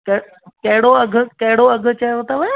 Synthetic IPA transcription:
kɐ | kɐɦɪɽoɐɡʱʊ̆kɐɦɪɽoɐɡʱʊ̆t͡ɕɐjʋɐt̪aʋɐ

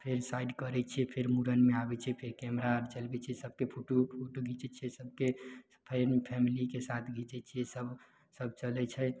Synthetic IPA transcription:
pʰeɾsaiɖkəɾɛt͡ʃʰiɛpʰeɾmuɾənmeabɛt͡ʃʰɛpʰeɾkɛmɾaəɾt͡ʃəlbɛt͡ʃʰisəb̚ʱkepʰuʈupʰoʈuɡʱit͡ʃɛt͡ʃʰiesəb̚ʱke | pʰepʰɛmilikesat̪ʰɡʱit͡ʃɛt͡ʃʰiɛsəb | səb̚t͡ʃəlɛt͡ʃʰɛ

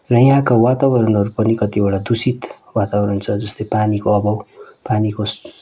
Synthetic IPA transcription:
rʌj̃ãkawat̪abʌɾʌnɦʌɾupʌnikʌt̪ibaɽad̪usit̪ | wat̪abʌɾʌnt͡sʰʌd͡zʌst̪ʌjpanikoʌbʌwpanikos

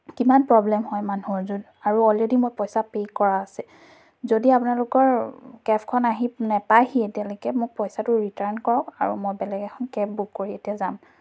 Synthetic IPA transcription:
kimanpɹɔblɛmɦɔjmanuzud | aɹuɔledimojpɔjsapejkɔɹaːsɛ | zodiapunalʊkɔɹkɛpʰkʰɔnaɦinɛpajhietialokɛmʊk̚pɔjsatʊɹitaɹnkɔɹɔka̰ɹṵmojbɛlɛɡɛkʰɔnkɛpbukːoɹietijazam

